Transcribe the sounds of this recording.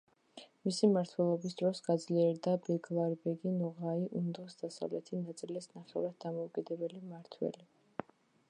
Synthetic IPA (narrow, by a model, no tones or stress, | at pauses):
misimaɾt̪ʰwɛlˠɔbisd̪ɾɔsɡad̪zliɛɾd̪abɛɡlˠaɾbɛɡinɔʁaiʔund̪ɔsd̪̥asa̰vlɛt̪ʰinat̪sʼilɛsnaχɛvɾad̪̚ːamɔukʼid̪ɛbɛlimaɾt̪ʰwɛ̰li